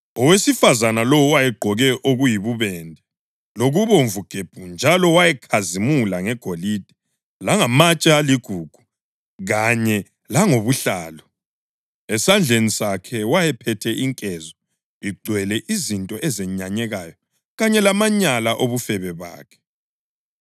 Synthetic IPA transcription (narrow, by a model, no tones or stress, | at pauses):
ɔwesifazanalowwajɛɡ͡ǃʱɔɣɛʔoɣujiβuβɛndʱɛ | loɣuβoɱvuɡ̥ʱeb̥ʱund͡ʒʱalɔwajɛkʰazimulaŋɛɡ̥ʱolid̥ʱɛ | laŋamat͡ʃʼaaliɡ̥ʱuɡ̥ʱu | ɣaɲɛ | laŋoβuɬaːlɔ | ɛsand͡ɮʱenisakʰɛwajɛpʰɛtʰɛʔiŋkʼɛzɔ | iɡ͡ǃʱwɛlɛʔizintʼɔʔɛzɛɲaɲɛɣajɔ | ɣaɲɛlamaɲalaʔoβufɛβɛβa̰ːkʰɛ̥